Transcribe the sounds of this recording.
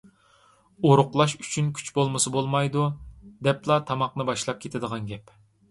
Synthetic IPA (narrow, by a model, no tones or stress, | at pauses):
oɾʊqlˠɑʃy̥t͡ʃʰynkʲʰy̥t͡ʃbolˠmɨsɨbolˠmɑjd̪ud̪ɛplˠɑt̪ʰɑmɑqnɨbɑʃlˠɑp̚kʲʰet̪ʰɪd̪əʁɑnɡʲɛp